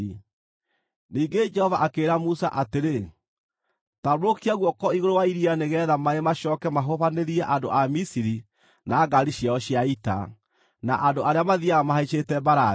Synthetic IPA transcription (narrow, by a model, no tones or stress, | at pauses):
niːɡed͡ʒɛhɔvaʔakeːɾamusa̰ʔateɾe | taɾɾokiaɣwɔkɔiɣoɾowaiɾianeɣɛːðamaemaɕɔkɛmaɦoβaneɾiɛʔando̰ʔamisiɾi | naːɡaɾiɕjaɔɕjaita̰ | na̰ʔandoʔaɾeamaðiamaɦait͡ʃetɛbaɾa